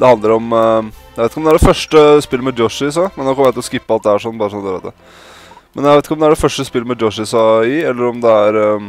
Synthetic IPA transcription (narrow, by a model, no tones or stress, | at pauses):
d̪ɛhɑnd̪əɾɔmjæʋeɪt̪ɪkɔmd̪æɖɛfœʂʈəspɪlːəmɛd̪jɔʂɪɪs̬ɑmɛnːoːkɔməjæt̪ɪlɔskɪpːəɑlt̪̚d̪ɛæʂɔnːbɑːɾəsɔnd̪əɾɛ̰t̪ːə | mɛnjæʋeɪt̪ɪkəɔmd̪ɛæɖɛfœʂʈəspɪlːəmɛd̪jɔʂɪsɑɪɛlːəɾɔmd̪ɛæɾ